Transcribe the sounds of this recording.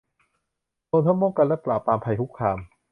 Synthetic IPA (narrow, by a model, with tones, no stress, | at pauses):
t̪oː˧nt̪ʰa˥˩mɔː˥˩ŋka˧lɛ˦˥plaː˨˩pːaː˧mpʰa˧jt̪ʰu˦˥kʰːaː˧m